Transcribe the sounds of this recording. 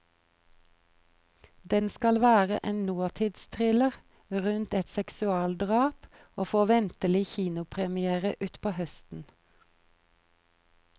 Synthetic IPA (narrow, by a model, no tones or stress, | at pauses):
d̪ɛnskɑlʋæːʁə̰ʔeːnnuːɑt̪ʰɪd̪st̪ʰʁɪləʁ | ʁʉnt̪ɛt̪sɛksʉɑːld̪ʁɑːp | oːfoːʋɛnt̪əlɪçiːnʊpʰʁɛmɪeːʁəʔʉːt̪pʰoːhœst̪n̩